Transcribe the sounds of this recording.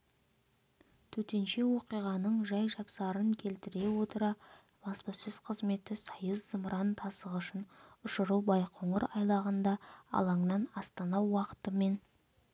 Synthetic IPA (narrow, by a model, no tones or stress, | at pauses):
t̪ʰɵt̪e̞nʃe̞wo̞qijʁɑnəɴʒɑjʒɑpsɑɾəŋkʲʰe̞lt̪ɪɾe̞wo̞t̪əɾɑ | bɑspɑsɪz̥qʰəzme̞t̪ɪsɑjəzzəmɾʔɑnt̪ʰɑsəʁʊʃənʊʃəɾubɑjqʰoɴəɾɑjlˠɑʁənd̪ɑɑ̰lˠɑɴnɑnɑst̪ɑnɑwɑqə̥t̪əme̞n